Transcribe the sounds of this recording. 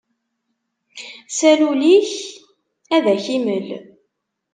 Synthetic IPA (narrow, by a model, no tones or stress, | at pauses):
sæluliç | æðæçiməl